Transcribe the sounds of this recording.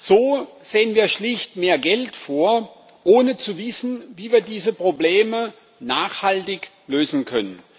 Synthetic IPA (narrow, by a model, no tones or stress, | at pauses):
z̥oːz̥eːənviːɐʃlɪçtmeːɐɡɛltfoːɐ | ʔoːnət͡suvɪsn̩viːviːɐdiːzəpʁ̥obleːmə | naːχhaltɪç | løːzn̩kʰœnən